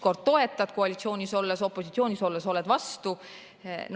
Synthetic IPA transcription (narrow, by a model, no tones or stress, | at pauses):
ko̞rd̪̚t̪o̞e̞t̪ːˑɑd̪̥ko̞ɑlʲit̪sio̞ːnʲiso̞lːeso̞pːˑo̞sit̪sio̞ːnʲiso̞lːeso̞led̪̥vɑst̪u | n